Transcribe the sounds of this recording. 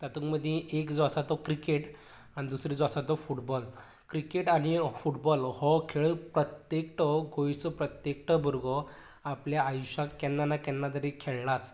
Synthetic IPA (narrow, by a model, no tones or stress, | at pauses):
t̪at̪ũŋkməd̪ʱjẽʔekd͡zʋasat̪ɔkɾikeʈ | aɽ̃id̪usɾid͡zʋasat̪ɔfuʈbɔl | kɾikeʈañifuʈbɔlhɔkʰeɭpɾət̪jekʈəɡojsəpɾət̪jekʈəbʱəɾɡɔ | apljaːjɕakɛnːanakɛnːat̪əɾekʰeɭnat͡s